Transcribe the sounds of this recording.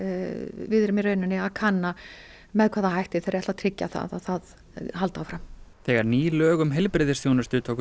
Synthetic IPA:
vɪðɾɪmirœɥnɪnːɪaðkʰanːa | mɛðkʰvaːðaɦajht̪ɪθejɾaɛht̪at̪ʰɾɪcːa̰θa̰ðaðθað | halt̪awfɾamθɛːɣaɾniːlœːɣʏmɦɪlpɾɪðɪɾ̥sjownʏst̪ʏt̪ʰoːk

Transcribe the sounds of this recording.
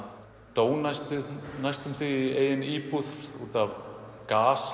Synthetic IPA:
t̪oːwnajst̪ɪnajst̪ʏmθvieːjðɪniːpuθṵt̪avkaːs

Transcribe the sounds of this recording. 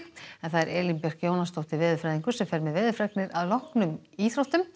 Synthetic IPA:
ɛnθaðɛɾʔɛːlimpɛr̥kjoːwnast̪owht̪ɪɾvɪːðʏfɾajðiŋkʏ̥sɛmfɛɾmɛðvɪːðʏfɾɛknɪɾaðlɔhknʏmiːθɾowht̪ʏm

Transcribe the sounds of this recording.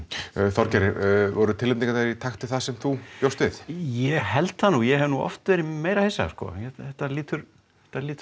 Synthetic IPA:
θɔɾcaɾɪvɔɾʏt̪ʰɪlːep̪niŋkat̪aɾit̪ʰaxt̪ɪθaðsɛmθupjowst̪vɪθjɛhɛlt̪hanujɛhɛvnuʔɔ̰ft̪veːɾɪmeːjɾahejsːa̰skɔ̰ːɛtɛht̪ːaliːt̪ʏɾ | ɛht̪ːaliːt̪

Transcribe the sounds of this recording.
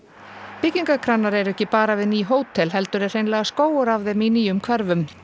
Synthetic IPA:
pɪcːiŋkakʰɾanːaɾɛɾɛhcɪpaːɾavɪðniːɦoːwt̪ʰɛlɦɛlt̪ʏɾɛr̥ejnlɛːɣaskoːwʏɾavðɛmiːniʏmkʰvɛɾvʏm

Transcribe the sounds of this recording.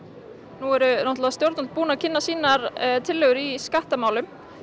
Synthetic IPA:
nuɛɾʏnɔwht̪lavast̪joɾt̪nʏnt̪puːnacʰɪnːasiːnaɾt̪ʰɪlːœɣʏɾiskaht̪amaːwlʏm

